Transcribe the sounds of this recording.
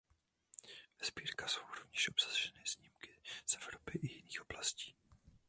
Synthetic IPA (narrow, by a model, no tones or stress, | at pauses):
vɛzbiːɾkasowɾovɲɛʃʔobsḁʒ̥ɛnɛz̥ɲimkɪzɛvɾopɪʔɪjɪniːxob̥lasci̥ː